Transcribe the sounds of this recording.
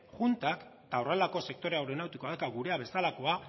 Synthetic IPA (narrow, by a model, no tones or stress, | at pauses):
ʝunt̪ak | t̪aorelako̞se̞k̚t̪o̞ɾe̞awɾeo̞nawt̪iko̞aðakaɡuɾe̞aβe̞salako̞a